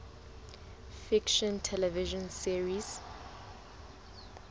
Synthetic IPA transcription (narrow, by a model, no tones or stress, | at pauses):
fikʃɔ̃ntʰɛlɛviʒɔ̃nsiɹiz